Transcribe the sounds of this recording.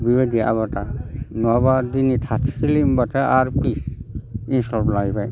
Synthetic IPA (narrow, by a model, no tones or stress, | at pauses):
bibad̪ia̰βatanɔbadinitʰatʰsilimbatʰaaɾpisinstɔlplaɡibʰaj